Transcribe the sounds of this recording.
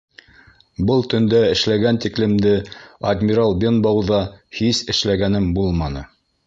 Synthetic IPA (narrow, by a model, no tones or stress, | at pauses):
bɤlˠt̪ɵ̆nd̪æɘ̆ʃlæɡænt̪iklɘ̆md̪ɘɐd̪ʲmʲiɾɑlˠbʲenbɑwðɑhisɘ̆ʃlæɡænɘmbulˠmɑnɤ̰